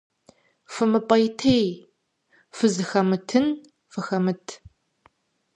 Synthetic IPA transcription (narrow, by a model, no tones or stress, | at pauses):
fɨmɨpʼɐjtʰej | fɨzɨxɐmɨtʰɨn | fɨxɐmɨtʰ